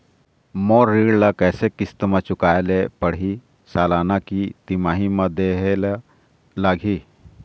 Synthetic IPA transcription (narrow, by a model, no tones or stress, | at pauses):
moɾːiɽlakəjsekist̪əmat͡ʃukajlepəɽɦi | salanakit̪imaɦimad̪eɦel | laɡʱi